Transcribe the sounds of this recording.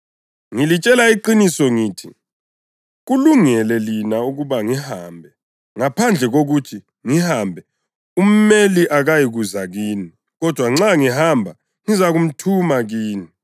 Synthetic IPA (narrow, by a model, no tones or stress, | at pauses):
ŋilit͡ʃʼɛlaiǃinisɔŋiːtʰi | ɣuluŋɛlɛlinauɣuβaŋihaːmbʱɛ | ŋapʰand͡ɮʱɛɣoɣutʰi | ŋihaːmbʱɛ | um̩meliʔaɣajiɣuzaɣiːni | ɣɔd̥ʱwaŋ͡ǁaŋiɦambʱa | ŋizaɣum̩tʰumaɣiːni